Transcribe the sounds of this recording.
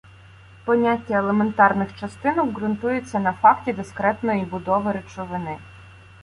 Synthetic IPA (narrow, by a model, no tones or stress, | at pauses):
pɔnʲatʲːɐelˠement̪ɑrnɪxt͡ʃɐst̪ɪnɔwɡɾʊnt̪ujet͡sʲːɐnɐfɑktʲid̪eskɾɛt̪nɔjibʊd̪ɔʋɔɾet͡ʃɔʋɪnɪ